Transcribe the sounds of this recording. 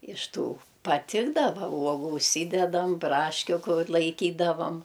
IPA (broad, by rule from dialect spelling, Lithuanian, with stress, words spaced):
ɪʃ ˈtuː pɐˈtʲɪɡdɐʋɐ ˈuɔɡʊ ʊʃʲˈsʲiːdʲɛdɐm ˈbrɑːʃʲkʲʊ ˈkʊr lˠɐɪˈkʲiːdɐʋɐm